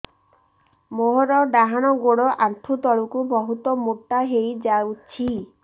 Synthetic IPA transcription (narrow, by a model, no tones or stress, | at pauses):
moɦɔɾɔɖaɦaɽ̃ɔɡoɽɔʔant̪ʰut̪ɔɭukubɔɦut̪ɔmuʈːaɦejd͡ʒawt͡ʃʰi